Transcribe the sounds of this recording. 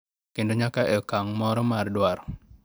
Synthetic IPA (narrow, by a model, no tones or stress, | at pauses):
kendoɲakaʔɛkaŋmɔɾɔmardwaɾɔ